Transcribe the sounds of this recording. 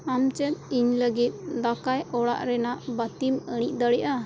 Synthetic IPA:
amt͡ʃɛt̪̚iɲləɡit̪̚d̪akajɔɽa̰ʔɾɛnaʔbət̪iməɽ̃iʔ̚ˀd̪əɽɛjʔa

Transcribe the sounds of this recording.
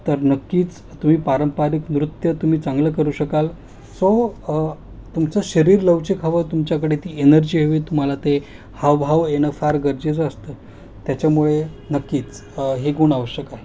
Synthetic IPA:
t̪əɾnəkːiːt͡s | t̪um̤iːpaɾəmpaɾiknɾut̪jət̪um̤iːt͡saŋɡləkəɾuːɕəkal | so | t̪umt͡səɕəɾiːɾləʋt͡ɕekʰaʋət̪umt͡ɕjakəɽet̪iːenəɾd͡ʑiːɦoʋiːt̪um̤alat̪e | haʋɦaʋenəfaɾɡəɾd͡ʑet͡səst̪əː | t̪jat͡ɕjamuɭenəkːiːt͡s | ɦeɡuɳaʋəɕjəkaɦe

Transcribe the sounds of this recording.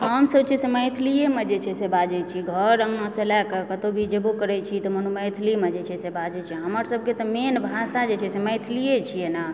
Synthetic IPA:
ɦəmsəb̚t͡ʃʰiseməjt̪ʰlijemed͡ʒet͡ʃʰɛsebad͡ʒɛt͡ʃʰiɡʱəɾə̃ŋɡãselɛkəkət̪obʱid͡ʒebokəɾɛt͡ʃʰit̪ɔmənuməjt̪ʰlimed͡ʒet͡ʃʰɛsebad͡ʒɛt͡ʃʰiɦəməɾsəb̚ʱket̪ɔmenbʱasad͡ʒet͡ʃʰɛseməjt̪ʰlijet͡ʃʰijena

